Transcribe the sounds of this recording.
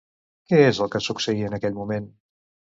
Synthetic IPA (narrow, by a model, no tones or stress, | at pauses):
kɛɛzəlˠkəsuksəiənəkɛʎmumen